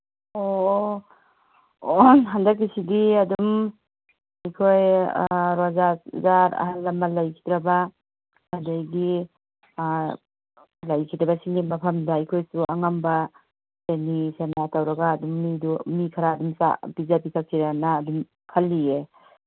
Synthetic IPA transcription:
o | nɦandakːisidiadum | ajkʰoj | ɾazazaɾa̰ɦalːamːalajkʰi̥dɾaba | adajɡi | lajkʰitdɾabasiŋinbapʰɐmdaajkʰojsuʔaŋamba | senisenaatawɾaɡaːdumːidumikʰaɾaːdumsa̰bizapikʰakʰiɾanaːdum | kʰalːie

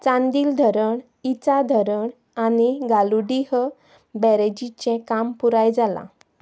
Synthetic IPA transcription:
t͡sãnd̪iːld̪ʱəɾəɳ | it͡sad̪ʱəɾəɳ | aniɡaluɽiɦə | bɛɾed͡ʑit͡ɕɛ̃kampuɾajd͡zala̰

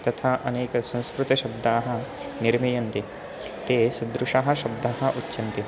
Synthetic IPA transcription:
t̪ɐt̪ʰaːʔɐneːkɐsɐ̃ñskɾut̪ɐʃɐb̚d̪aːɦɐ̆ | niɾmijɐnt̪i | t̪eːsɐd̪ɾuʂaɦɐ̆ʃɐb̚d̪ʱaːɦɐ̆ʔutːʃɐnt̪i

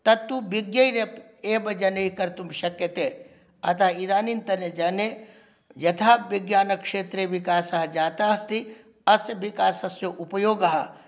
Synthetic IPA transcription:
t̪ɐt̪ːubiɡjɐjɾep | eːbɐd͡ʒɐneɦikɐɾt̪umʃɐkjɐt̪eː | ɐ̰t̪ʰaːid̪aːnint̪ɐned͡ʒɐne | d͡ʒɐt̪ʰaːʋiɡjaːnɐkʂeːt̪ɾeʋikaːsɐɦɐd͡ʒaːt̪aːɦɐst̪i | ɐsjɐʋikaːsɐsjoʔupɐjoːɡɐɦɐ

